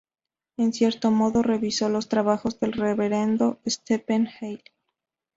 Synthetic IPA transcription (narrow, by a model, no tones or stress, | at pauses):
e̞nsje̞ɾt̪o̞mo̞ðo̞re̞βiso̞lo̞st̪ɾaβaxo̞zðe̞lreβe̞ɾe̞nd̪o̞est̪epenxejd̪